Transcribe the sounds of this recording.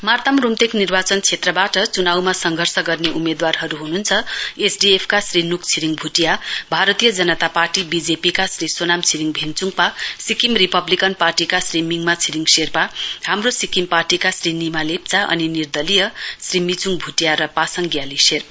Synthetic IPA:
mart̪amrumt̪eknirbat͡sʌnt͡sʰet̪rʌbaʈʌt͡sunawmasʌŋɡʱʌrsʌɡʌrneʔumed̪warɦʌɾuɦununt͡sʰʌesɖiepʰkasrinukt͡sʰiɾiŋbʱuʈijabʱaɾʌt̪ijʌd͡zʌnʌt̪aparʈibid͡zepikasrisonamt͡sʰiɾiŋbʱint͡suŋɡpasikimripʌblikʌnparʈikasrimiŋmat͡sʰiɾiŋɡserpahamrosikimparʈikasrinimalep̚t͡saʔʌ̰ninird̪ʌlijʌsrimit͡suŋbʱuʈijaɾʌpasʌŋɡjaliserpa

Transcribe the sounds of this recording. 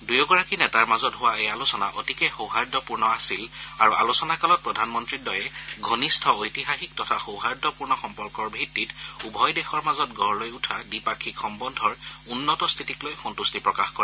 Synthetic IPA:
dujɔɡɔɹakinɛtaɹmazɔtɦʊwaejalusɔna̰ʔɔ̰tikɛxowɦaɹdʱɔpuɹnɔasilaɹuʔa̰lusɔnakalɔt̚pɹɔdʱanmɔntɹidɔjɛɡʱonistʰɔojtixaxik̚tɔtʰaxowɦaɹdʱɔpuɹnɔxɔmpɔɹkɔɹbʱitːitubʱɔjdɛxɔɹmazɔtɡʱɔɹlojutʰadipakʰːikxɔmbɔndʱɔɹunːɔtɔst̪ʰitiklojxɔntustipɹɔkaxkɔɹɛ

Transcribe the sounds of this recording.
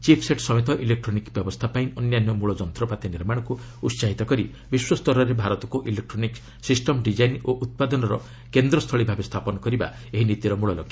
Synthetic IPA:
t͡ʃipʰseʈsɔmet̪ɔʔilek̚ʈɾɔnikbjɔbɔst̪ʰapaĩɔnjanjɔmuɭɔd͡ʒɔnt̪ɾɔpat̪eniɾmaɽ̃ɔ̃ŋku | utsaɦit̪ɔkɔɾi | biswɔst̪ɔɾɔɾebʱaɾɔt̪ɔkuʔilek̚ʈɾɔnik | sisʈɔmɖid͡ʒajnoʔut̪̚pad̪ɔnɔɾɔ̰ | kend̪ɾɔst̪ʰɔɭibʱabest̪ʰapɔnɔkɔɾiba̰ | eɦinit̪iɾɔmuɭɔlɔ̰kʰːja

